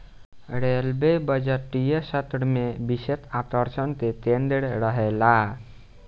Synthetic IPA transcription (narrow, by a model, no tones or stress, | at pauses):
ɾelbebəd͡ʒəʈːijəsət̪ɽmebiset̪at̪əɾsənt̪et̪end̪eɽɾəɦela